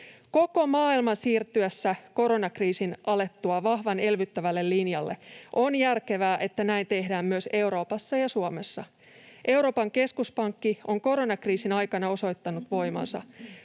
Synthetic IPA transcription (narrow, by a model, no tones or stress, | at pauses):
ko̞ko̞mɑːilmɑnsiːrt̪ːyæsːæko̞ɾo̞nɑkriːsinʔɑle̞t̪ːuɑʋɑhʋɑne̞lʋyt̪ːæʋælːe̞lːinjɑlːe̞̰ʔo̞njærke̞ʋæːʔe̞t̪ːænæint̪e̞hdæːmːyøse̞uɾo̞ːpɑsːɑjɑsuome̞sːɑ | ʔe̞wɾo̞ːpɑŋke̞skuspɑŋkːio̞ŋko̞ɾo̞nɑkriːsinɑjkɑnɑo̞so̞jt̪ːɑnut̪ʋo̞jmɑ̰nsɑ̰